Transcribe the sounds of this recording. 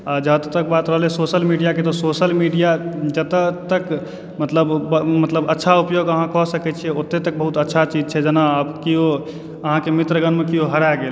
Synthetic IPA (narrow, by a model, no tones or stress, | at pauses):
ad͡ʒət̪t̪ək̚bat̪ɾəɦlɛsosəlmiɖijaket̪ɔsosəlmiɖijad͡ʒət̪ət̪ək | mət̪ləbmət̪ləbətːʃʰaupjoɡəɦãkɔsəkɛt͡ʃʰɛot̪ːet̪ək̚bəɦut̪ətːʃʰat͡ʃid͡ʒt͡ʃʰɛd͡ʒənabkio | əɦãkemit̪ɾəɡənmekioɦəɾaɡel